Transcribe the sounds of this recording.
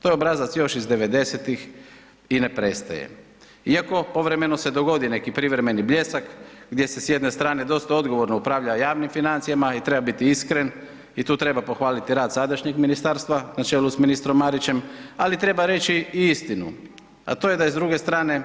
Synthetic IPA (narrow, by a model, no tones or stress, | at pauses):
t̪o̞jobɾazat̪sjo̞ʃizd̪e̞ʋe̞d̪e̞set̪ix | ine̞pɾest̪a̰jḛ | iako̞po̞ʋɾe̞me̞nose̞d̪o̞ɡo̞d̪ine̞kipɾiʋɾeme̞niblʎe̞sakɡd̪je̞se̞sjed̪ne̞st̪ɾaːned̪o̞st̪ao̞d̪ɡo̞ʋo̞ɾnoupɾaːʋʎajaːʋnimfinant̪sijamait̪ɾe̞babit̪iiskɾe̞n | it̪uːt̪ɾe̞bapo̞xʋaːlit̪iɾaːd̪sad̪aʃɲeɡminist̪aɾst̪ʋanat͡ʃe̞ːlusminist̪ɾomːaɾit͡ɕe̞malit̪ɾe̞baɾe̞t͡ʃiiist̪inṵ | a̰t̪oːje̞d̪aizd̪ɾuɡe̞st̪ɾaːne̞